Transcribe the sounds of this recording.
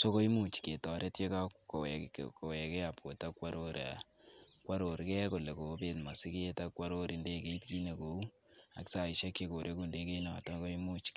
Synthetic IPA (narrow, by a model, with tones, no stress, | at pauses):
so˦ko˦i˦mu˦t͡ʃke˨tɔ˨ɾe˦tje˦ka˦ko˨wɛ̰˨kko˨wɛ˨kɛ˦a˨po˨ta˦kwa˦ɾo˦ɾa̰ | kwa˦ɾo˨ɾkɛ˦ko˨le˨ko˨˦be˦tma˨sɪ˦ke˦ta˦kwa˦ɾo˦ɾi˨nde˦ke˦i˦tki˦ne˨ko˨u˦ | a̰˨ksa˨i˨ʃa˦kːe˦ko˨ɾʔe˦ku˦nde˦ke˦i˦nɔ˨ta˦ko˦imu˦t͡ʃ